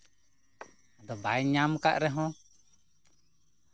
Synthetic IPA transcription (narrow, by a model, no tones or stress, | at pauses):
d̪ɔbajɲamka̰ʔɾɛɦɔ̃